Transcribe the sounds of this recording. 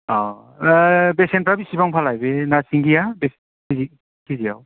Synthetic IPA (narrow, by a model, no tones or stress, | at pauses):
a | besenpɾabisibaŋpʰalajbenasiŋɡijabes | kizi | kʰizijaw